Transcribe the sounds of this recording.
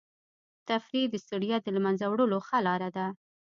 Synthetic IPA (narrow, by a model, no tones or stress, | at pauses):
t̪afɾid̪əst̪ʊɽijat̪̚d̪əlmanzawɽəloxalɑɾad̪a